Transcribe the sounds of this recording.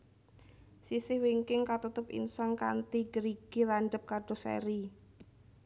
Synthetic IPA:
sisɪhwiŋkɪŋkat̪ut̪ʊpḭnsaŋka̰nt̪iɡəɾiɡ̥ilaɳɖəp̚kaɖ̥o̤sɛ̰ɾi

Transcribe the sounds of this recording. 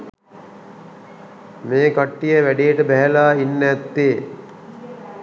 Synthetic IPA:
meːkaʈːijəʋæɖijəʈəbæɦelaːinːæt̪ːeː

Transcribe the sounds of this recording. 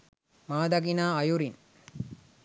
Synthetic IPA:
maːd̪aɡinaːjuɾin

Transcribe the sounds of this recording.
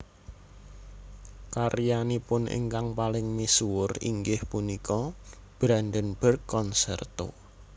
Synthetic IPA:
kaɾijanipʊnɪ̰ŋkaŋpalɪŋmisuʊrḭŋɡɪhpunikɔb̥ɾand̪ənb̥ərkːɔnsə̰rt̪o̰

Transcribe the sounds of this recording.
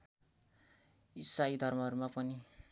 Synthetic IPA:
isajid̪ʱʌrmʌɦʌɾumapʌni

